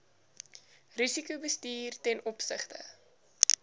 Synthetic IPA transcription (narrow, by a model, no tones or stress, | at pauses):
risikubəstiːrtɛnʔɔpsə̰χtə̰